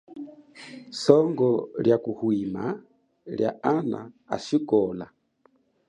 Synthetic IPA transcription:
sɔŋɡɔljakuhwima | lja̰ana̰ | a̰ʃikɔla

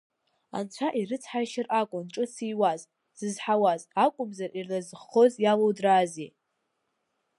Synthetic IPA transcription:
a̰nt͡ɕʷʰaʔiɾɨt͡sʰħajʃɪrʔakʷʼʊnʈ͡ʂʼɨsijwaz | sɨzħawazakʷʼʊmzarirlazχo̞zjalowdrazi

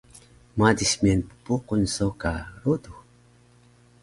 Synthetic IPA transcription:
madismianpupuqunsokaɾudu

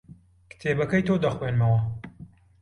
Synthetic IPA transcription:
kt̪ʰeːbɐkɐjt̪ʰoːd̪ɐxweːnmɐwɐ

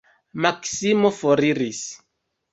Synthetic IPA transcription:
maksimofoɾiɾis

